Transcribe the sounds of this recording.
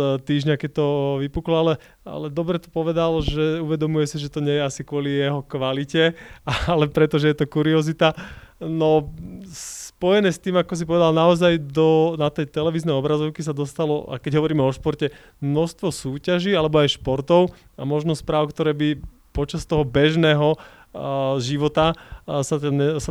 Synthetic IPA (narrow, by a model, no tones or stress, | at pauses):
t̪iːʒɲakɛc̚t̪ɔʋipuklalɛ | a̰lɛd̪ɔbɾɛt̪ɔ̥pɔʋɛd̪alʒɛuʋɛd̪ɔmujɛsiʒɛt̪ɔɲɛjɛasikʊɔlijɛɦɔkʋalicɛaalɛpɾɛt̪ɔʒɛjɛt̪ɔkuɾiɔzit̪anɔ | spɔjɛnɛːst̪iːmakɔs̬ipɔʋɛd̪alnaɔzajd̪ɔnat̪ɛjt̪ɛlɛʋiːznɛjɔbɾazɔʊkis̬ad̪ɔst̪alɔa̰kɛɟɦɔʋɔɾiːmɛɔʃpɔɾcɛ | mnɔʃst̪ʋɔsuːcaʒiːalɛbɔajʃpɔɾt̪ɔʊ | amɔʒnɔspɾaːʊkt̪ɔɾɛːbi | pɔt͡ʃast̪ɔɦɔbɛʒnɛːɦɔ | ʒiʋɔt̪asaɛsa